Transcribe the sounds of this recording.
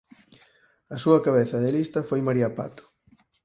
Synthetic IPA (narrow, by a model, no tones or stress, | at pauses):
ɐsuɐkaβ̞eθɐðɪlist̪ɐfojmaɾiɐpa̰t̪ʊ̥